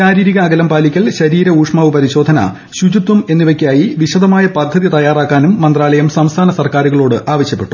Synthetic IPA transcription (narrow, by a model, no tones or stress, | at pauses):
ɕaːɾiːɾiɣɐːɡɐlɐmpaːlikʲːɐɭɕɐɾiːɾɐuːʂmɐːʋɨpɐɾiɕo̞ːd̪ʱɐnɐ̰ | ɕud͡ʑut̪ːume̞nːiʋɐkʲːjaːjiʋiɕɐd̪ɐmaːjɐpɐrd̪ʱːɐðjit̪ɐjaːraːkːaːnumːɐnd̪raːɭɐjɐmsɐmst̪ʰaːnɐsɐrkaːɾuɣɐɭo̞ːɽɨʔaːʋɐɕjɐpːe̞ʈːu̥